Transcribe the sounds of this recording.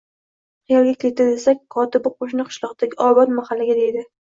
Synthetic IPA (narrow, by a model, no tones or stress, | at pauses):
qʰijɑlˠɡʲakʲʰet̪ɪd̪esakʲkʰɒt̪ɪbqʰoʃ̬nɨqʰɨ̥ʃlˠɒqt̪aɡʲɪʔɒbɒt̪mahalːaɡʲad̪e̞jd̪ɪ